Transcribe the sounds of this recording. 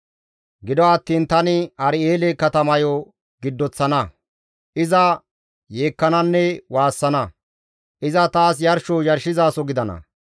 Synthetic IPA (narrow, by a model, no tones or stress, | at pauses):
ɡɪd̪ɔɐt̪ːiːnt̪ɐnɪɐɾɪeːlekɐt̪ɐmɐjɔ | ɡɪd̪ːɔt͡sːɐnɐ | ʔɪzɐ | je̞ːkːɐnɐnːɛwaːsːɐnɐ | ʔɪzɐt̪aːs̬jɐɾʃojɐɾʃɪzaːsɔɡɪd̪ɐnɐ̰